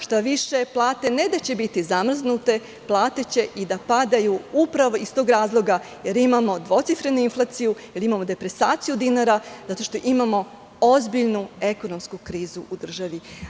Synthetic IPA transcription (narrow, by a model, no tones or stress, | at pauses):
ʃt̪aʋiʃe̞plˠaːt̪e̞ne̞d̪at͡ɕe̞bit̪izamr̩znut̪e̞ | plˠaːt̪e̞t͡ɕe̞ʔid̪apad̪ajuupɾaʋo̞ist̪oɡɾaːzlˠo̞ɡa | jeɾimamo̞d̪ʋo̞t̪sifɾe̞nuinflˠat̪sijujelimamo̞d̪e̞pɾe̞saːt̪sijud̪inaɾazat̪o̞ʃt̪o̞ʔimamo̞ | o̞zbiʎnue̞ko̞no̞mskukɾiːzuʔud̪r̩ʒaʋi